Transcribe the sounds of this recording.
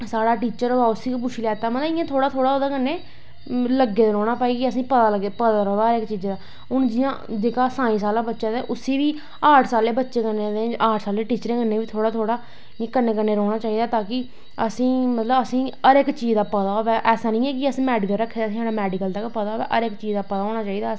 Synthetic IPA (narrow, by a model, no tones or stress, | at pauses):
saːɽaːʈiːt͡ʃəɾaːʊsiːkp̬ʊʃʰiːlɛːt̪aːmət̪lɪjãːt̪ʰoːɽaːt̪ʰoːɽaːod̪aːkənːeː | ləɡeːd̪ɾɔːɽ̃aːpaːiːɡiəsĩːpət̪aːləɡepəd̪aːɾɔːd̪aːəɾɪkt͡ʃiːd͡ʒd̪aː | ʊnd͡ʒɪjãːd͡ʒeːkaːsaːĩːsaːlãːbətːʃãːd̪eːʔʊsiːʋiː | aːʈʰsaːleːbətːʃeːkənːed̪eaːʈʰsaːleːʈiːt͡ʃɾeːkənːẽːʋiːt̪ʰoːɽaːt̪ʰoːɽaː | ɪãːkənːeːkənːeːɾɔːɽaːt͡ʃaːiːd̪aːt̪aːkɪ | əsĩːmət̪ləbəsĩːəɾɪkt͡ʃiːd͡ʒd̪aːpət̪aːoːʋɛːʔɛːsaːnĩːɛːkɪəsĩːmɛːɖɪkəlɾəkʰːed̪aːsĩːaːɽaːmɛːɖɪkəld̪akpət̪aːʋɛ̰ːʔəɾɪkt͡ʃiːd͡ʒd̪aːpət̪aːɦoːɽ̃aːt͡ʃaːiːd̪aː